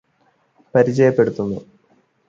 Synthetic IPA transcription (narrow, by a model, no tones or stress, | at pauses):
pɐɾit͡ɕːɐjɐpːe̞ɽut̪ːunːu